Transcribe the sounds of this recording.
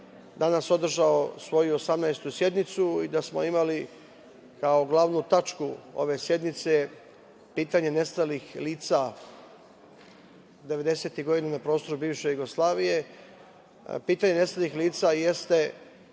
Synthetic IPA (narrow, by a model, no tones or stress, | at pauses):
d̪anaso̞d̪r̩ʒaosʋo̞juosamnajst̪usje̞d̪nit̪suid̪asmo̞̰imali | kaoɡlˠaʋnut̪at͡ʃkuo̞̰ʋe̞sje̞d̪nit̪se | piːt̪aɲe̞ne̞st̪alixliːt̪sa | d̪e̞ʋe̞d̪e̞se̞t̪iɡo̞d̪inanapɾo̞st̪o̞ɾubiːʋʃe̞juɡo̞slˠaːʋije̞ | piːt̪aɲene̞st̪alixliːt̪saje̞st̪e̞